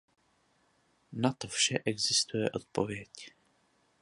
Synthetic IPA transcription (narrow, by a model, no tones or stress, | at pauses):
nat̪ofʃɛʔɛɡzɪst̪ujɛ̰ʔo̞t̪̚po̞vjɛc